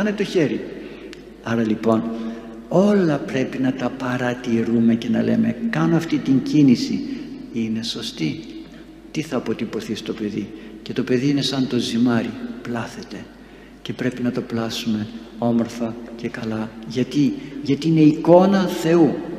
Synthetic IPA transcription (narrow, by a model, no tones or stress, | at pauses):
ɐnet̪o̞çe̞ɾi | ɐɾɐlipo̞n | o̞lɐpɾe̞pinɐt̪ɐpɐɾɐt̪iɾume̞ce̞nɐle̞me̞kɐno̞ɐft̪it̪iɲɟinisiine̞so̞st̪i | t̪iθɐːpo̞t̪ipo̞θist̪o̞pe̞ðice̞t̪o̞pe̞ðiine̞sɐnt̪o̞zimɐɾiplɐθe̞t̪e̞ | ce̞pɾe̞pinɐt̪oplɐsume̞ | o̞mo̞ɾθɐce̞kɐlɐʝɐt̪iʝɐt̪iine̞iko̞nɐθe̞u